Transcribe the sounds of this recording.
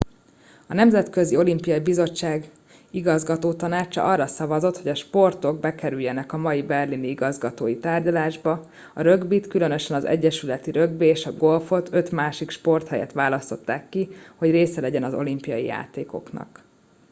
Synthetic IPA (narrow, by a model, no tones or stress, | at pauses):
ɒnɛmzɛt̪kø̞zio̞limpijɒjibizo̞t͡ʃːaːɡ | iɡɒzɡɒt̪oːt̪ɒnaːt͡ʃɒ̰ʔɒrːɒsɒvɒzo̞t̪hoɟɒʃpo̞rt̪o̞ɡ̚bɛkɛɾyjːɛnɛkɒmɒjibɛrliniiɡɒzɡɒt̪oːjit̪aːrɟɒlaːʒbɒ | ɒɾøɡbit̪kylø̞nø̞ʃɛnɒzɛ̰ɟːɛʃylɛt̪iɾø̞ɡ̚beeːʃɒɡo̞lfo̞t̪ʰø̞t̪maːʃikʃpo̞rt̪hɛjɛ̰t̪ʋaːlɒst̪o̞t̪ːaːkːiho̞ɟreːsɛlɛɟɛnɒzo̞̰limpijɒjḭja̰ːt̪eːko̞̰knɒ̰k